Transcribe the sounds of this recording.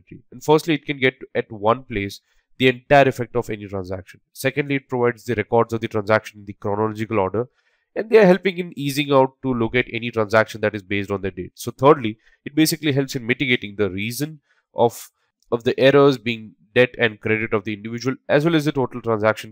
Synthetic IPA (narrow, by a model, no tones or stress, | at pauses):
ʈɾḭɛ̃ɳɖfəɾsʈliɪʈ̚kɛ̃nɡɛʈɛʈʋʌ̃npleːs | d̪iɛ̃ɳʈaɪəɾɪfɛk̚ʈɔfɛniʈɾãnzækʃə̃nsɛkə̃ɳɖliɪʈ̚pɾoʋaɪɖzd̪əɾɛkɔːɾɖzɔvd̪əʈɾãnsækʃə̃nɪ̃nd̪ikɾɔnəlɔd͡ʒɪkəlɔːɾɖəɾ | ɛ̃nɖd̪eəɾɦɛlpɪ̃ŋɪ̃niːzɪ̃ŋaʊʈːulʊkæʈɛ̰niʈɾãnsækʃə̃nd̪æʈɪzbeːsʈɔ̃nd̪əɖḛːʈsoːt̪ʰəːɖli | ɪʈ̚beːsɪkliɦɛlpsɪ̃nmɪʈɪɡeːʈɪ̃ŋd̪əɾiːzə̃n | ʔɔf | ɔʋd̪iʔɛɾəzbiɪ̃ŋ | ɖɛʈɛ̃ɳɖ̚kɾeɖɪʈɔʋd̪iɪ̃ɳɖɪʋɪd͡ʒuəlʔæzwɛlɛzd̪əʈoːʈəlʈɾãnzækʃə̃n